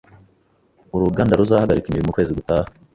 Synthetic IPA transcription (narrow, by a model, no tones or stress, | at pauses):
uɾuɡaːndaɾuzahaɡaɾikimbiɾimukweːziɡutaːhe